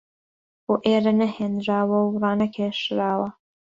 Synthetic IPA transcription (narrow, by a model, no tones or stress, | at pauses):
boːʔeːɾɐnɐheːnɾaːwɐwrɑːnɐkʰeʃɾaːwɐ